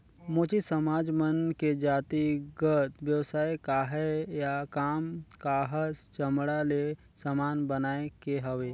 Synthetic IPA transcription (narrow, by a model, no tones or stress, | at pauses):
moːt͡ʃisəmaːd͡ʒmənked͡ʒaːt̪iɡət̪ʋjəwsaːekaɦɛjakaːmkaɦəst͡ʃəmɽale | səmaːnbənaːekeɦəʋeː